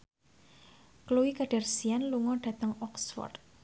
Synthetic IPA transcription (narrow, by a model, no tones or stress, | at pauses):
kəluwikaɖ̥a̤rsianluŋɔɖ̥ä̤t̪əŋɔksfɔ̰rd̪̚